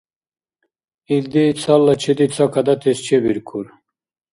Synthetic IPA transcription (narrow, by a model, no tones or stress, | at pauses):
ild̪it͡sʰalːɐt͡ɕʰed̪it͡sʰakɐd̪ɐt̪est͡ɕʰebiɾkʰuɾ